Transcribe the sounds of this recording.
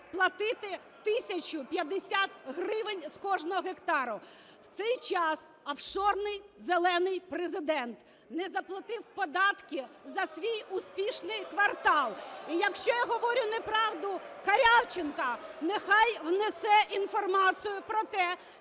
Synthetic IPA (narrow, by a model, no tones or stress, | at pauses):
plˠɐt̪ɪt̪ɪ | t̪ɪsʲɐt͡ʃʊpʲjɐd̪eɪsʲat̪ɦrɪʋɪnʲskɔʒnɔɦɔɦekt̪ɑɾʊ | w̥t̪sɛjt͡ʃɑs | ɐfʃɔrnɪjzelˠɛnɪjpɾezɪd̪ɛnt̪ | nɛzɐplˠɐt̪ɪwpɔd̪ɑt̪kʲɪzɐsʲʋʲijʊspʲiʃnɪjkʋɐrt̪ɑlˠijɐkʃt͡ʃɔjaɦɔʋɔɾʲʊnepɾɑwd̪ʊkɐɾʲɑwt͡ʃɪnkɐnexɑjwnesɛʔinfɔrmɑt͡sʲijʊpɾɔt̪ɛ